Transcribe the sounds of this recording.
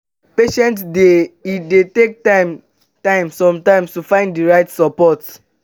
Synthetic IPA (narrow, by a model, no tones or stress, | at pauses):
peʃɛ̃ntsdeidetek̚tam | tãɪ̃msɔ̃mtãɪ̃mstufãɪ̃nddiɹaɪtsɔpɔt